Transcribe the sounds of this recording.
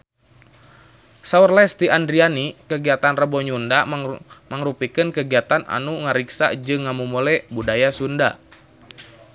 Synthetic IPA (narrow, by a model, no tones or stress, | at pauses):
saurlɛst̪iʔandɾianikəɡiat̪anrəbɔɲundaməŋɾupikɨnkəɡiat̪anʔa̰nuŋəɾiksa̰d͡ʒɨŋːamumɔlɛbudajasunda